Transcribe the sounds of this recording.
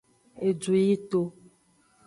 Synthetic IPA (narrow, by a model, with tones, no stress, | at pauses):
e˨d͡ʒu˨ji˦t̪o˦